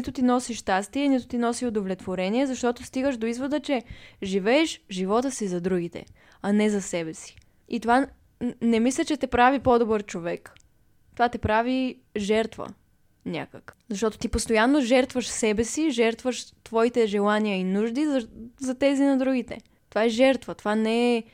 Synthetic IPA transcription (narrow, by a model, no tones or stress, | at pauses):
it̪ʊt̪inɔsiʃt̪ast̪iɛnit̪ʊ̥t̪inɔsiod̪ovlʲɛt̪voɾɛniɛzɐʃt̪ɔt̪ost̪iɡəʃd̪oizvod̪ət͡ʃɛʒivɛːʃʒivɔt̪əsizɐd̪ɾuɡ̟it̪ɛ̰ | anɛzɐsɛbɛsi̥ | it̪ova | nɛmislʲət͡ʃɛt̪ɛpɾavipod̪obəɾt͡ʃovɛk | t̪ovat̪ɛpɾavi | ʒɛɾt̪və̰ | nʲa̰kə̰kzɐʃt̪ɔt̪o̥t̪ipost̪ojanːoʒɛɾt̪vəʃsɛbɛsiʒɛɾt̪vəʃt̪vɔit̪ɛʒɛlˠaniəinuʒd̪izzɐt̪ɛzinɐd̪ɾuɡit̪ɛ̰ | t̪ovaɛʒɛɾt̪vət̪ovanɛɛ